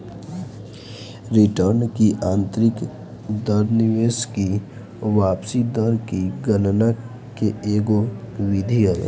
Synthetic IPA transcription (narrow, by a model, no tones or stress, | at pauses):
ɾɪʈəɾnkiʔãːnt̪ɾɪk | d̪əɾnɪʋeːski | ʋaːpsid̪əɾkiɡənna | keeːɡo | ʋɪd̪ʱiəl